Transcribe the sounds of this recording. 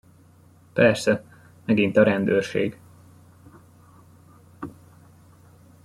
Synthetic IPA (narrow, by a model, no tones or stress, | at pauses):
pɛrsɛ | mɛɡint̪ɒɾɛnd̪øːrʃḛːɡ